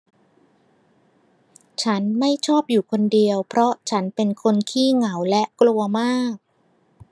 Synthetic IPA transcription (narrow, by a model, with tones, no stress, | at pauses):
t͡ɕʰa˦˥nma˥˩jt͡ɕʰɔː˥˩p̚juː˨˩kʰo˧ndi˧əwpʰɾɔ˦˥t͡ɕʰa˦˥npe˧nkʰo˧nkʰiː˥˩ŋa˩˦wlɛ˦˥ʔklu˧ɐmaː˥˩k̚